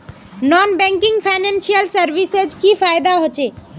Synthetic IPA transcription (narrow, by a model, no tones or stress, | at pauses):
nɔnbɛ̃ŋkiŋɡpʰaɪnẽnsijəlsəɾʋised͡ʒkifʰajd̪aɦot͡ʃe